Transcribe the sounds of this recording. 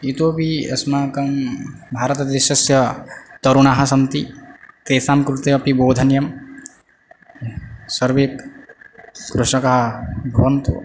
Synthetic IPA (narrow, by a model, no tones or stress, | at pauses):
it̪oːbiɐ̰smaːkɐmbʱaːɾɐt̪ɐd̪eʃɐsjɐt̪ɐɾuɳaːɦɐ̆sɐnt̪it̪eːsaːmkɾut̪eɐpiboːd̪ʱɐnjɐm | sɐɾʋik | kɾuʂɐkɐɦɐbʱɐʋɐnt̪ṵ